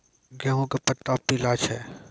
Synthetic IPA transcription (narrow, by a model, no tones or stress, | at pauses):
ɡɛɦõkapɐt̪ːapːilaːt͡ʃɦɛː